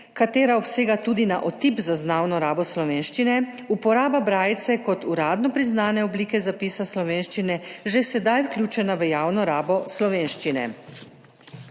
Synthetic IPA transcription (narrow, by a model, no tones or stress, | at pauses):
kat̪eːɾaɔpseːɡat̪ud̪ina̰ʔot̪ipzaznaːwnɔɾaːbɔslɔʋeːnʃt͡ʃinɛ | upɔɾaːbabɾaːjt̪sɛkɔt̪uɾaːd̪nɔpɾiznaːnɛɔbliːkɛzapiːsaslɔʋeːnʃt͡ʃinɛʒɛsɛd̪ajwklʲjuːt͡ʃɛnaʋəjaːwnɔɾaːbɔslɔʋeːnʃt͡ʃinɛ̰